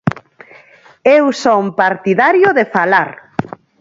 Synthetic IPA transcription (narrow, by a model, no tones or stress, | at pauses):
ewsompaɾt̪iðaɾjoðefalaɾ